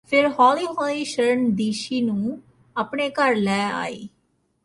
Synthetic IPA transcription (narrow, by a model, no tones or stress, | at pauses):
pʰɪɾɦɔːliːɦɔːliːʃəɾəɳd̪iːʃiːnũː | aːpɳeːkəɾlɛːa̰ːḭː